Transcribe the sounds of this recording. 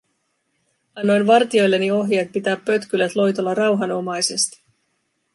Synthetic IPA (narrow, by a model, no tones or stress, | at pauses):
ɑnːo̞jnʋɑrt̪io̞jlːe̞nːio̞ɦjet̪̚pit̪æːpːø̞t̪kylæt̪lo̞jt̪o̞lːɑrɑwɦɑno̞mɑjse̞st̪i̥